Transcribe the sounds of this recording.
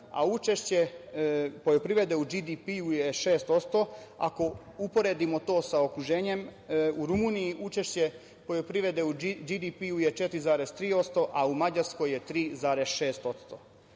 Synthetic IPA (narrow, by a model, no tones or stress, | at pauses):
a̰ut͡ʃeʃt͡ɕe | pojopɾiʋe̞d̪eud͡ʒid̪ipiujeʃeːst̪o̞t̪st̪oa̰ko̞ | upo̞ɾeːd̪imo̞t̪o̞ːsao̞kɾuʒe̞ːɲe̞muɾumuːnijiʔut͡ʃeʃt͡ɕe̞ | po̞jopɾiʋe̞d̪eud͡ʒid̪ipiujet͡ʃet̪ɾizaːɾest̪ɾiːo̞t̪st̪o̞ʔaumad͡ʑaɾsko̞je̞t̪ɾiːzaːɾesʃe̞ːst̪o̞t̪st̪o